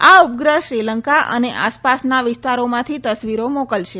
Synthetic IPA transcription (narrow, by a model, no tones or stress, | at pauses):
aup̚ɡɾəʃɾiləŋkaʔə̰neʔaspasnaʋɪst̪aɾomãt̪ʰit̪əsʋiɾomokəlʃe